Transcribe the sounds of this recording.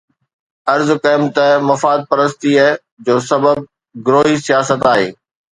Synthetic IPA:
ɐɾzkɐːɪmt̪əmɐfaːd̪̚pɐɾəst̪iə | d͡ʑoːsɐbəb̚ | ɡɾoːɦisijaːsət̪aːɦḛː

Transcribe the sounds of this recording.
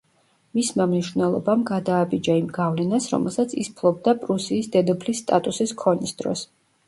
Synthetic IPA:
mismamniʃvnɛlˠɔ̰bamɡad̪aːbid͡ʒaimɡavlɛnasɾɔ̰mɛ̰lˠsat̪sʰispʰlˠɔb̚d̪apʼɾusiːsd̪ɛd̪ɛpʰlisːt̪ʼat̪ʼusiskʰɔnisd̪̥ɾɔ̰s

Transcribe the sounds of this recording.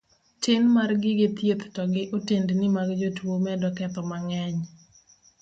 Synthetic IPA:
tɪnmarɡɪɡɪt̪jet̪tɔɡɪʔotendnɪmaɡd͡ʒotwomɛdɔkɛt̪ɔmaŋɛɲ

